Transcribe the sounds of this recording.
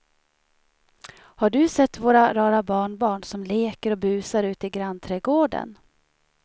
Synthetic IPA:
haɖɵsɛt̪ːvoːɾaɾɑːɾabɑːɳbɑːɳsɔmleːkəɾɔbʉ̟ːsaɾʉ̟ːt̪ɪɡɾant̪ʰɾɛːɡoːɖə̰n

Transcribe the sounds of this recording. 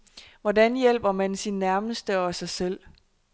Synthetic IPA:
ʋɒdænjel̰b̥ɐmænsinːæɐməsd̥əɒ̽sɑ̈ɪsel̰

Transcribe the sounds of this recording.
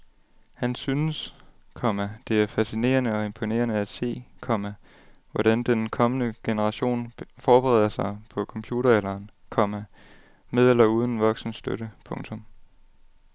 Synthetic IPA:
hænsynəskʰɒ̽mæd̥e̝æɐfæsine̝̰ːɐnəɒ̽e̝mpʰo̝ne̝̰ɐnəæd̥se̝̰ːkʰɒ̽mæ | ʋɒɾ̥ænd̥enkʰɒ̽mənəɡ̥e̝nəʁɑ̈ɕo̝̰ːnfɒːb̥əʁɛ̰ð̞̰ˠɐsɑ̈ɪpʰɒ̽kʰɒ̽mpʰjuːɾ̥ɐelɐːnkʰɒ̽mæ | með̞ˠelɐuːð̞ˠn̩ʋɒ̽ɡ̥sn̩sd̥øɾəpʰɔ̽ŋt͡sʰɔ̽m

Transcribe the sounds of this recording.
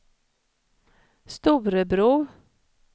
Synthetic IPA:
st̪uʋɾəbɾuː

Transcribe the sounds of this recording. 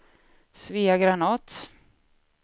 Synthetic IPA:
sviːaɡɾanɑːt̪

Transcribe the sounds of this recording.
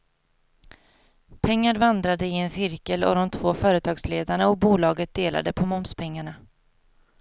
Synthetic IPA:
pʰɛŋːaɾvand̪ɾad̪əɪɛnsɪɾkəlɔ̰d̪ɔmt̪ʰvoːfœːɾət̪ʰɑːɡsleːd̪aɳaɔk̚buːlɑːɡət̪̚d̪eːlʔa̰d̪əpʰɔmɔmspʰɛŋːaɳa

